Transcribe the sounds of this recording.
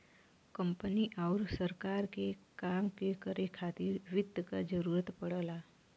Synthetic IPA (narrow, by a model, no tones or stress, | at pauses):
kə̃mpəniʔɔʊɾsəɾkaːɾkekaːmkekəɾekʰaːt̪iɾʋɪd̪əkad͡ʒəɾuːɾət̪pəɽəlaː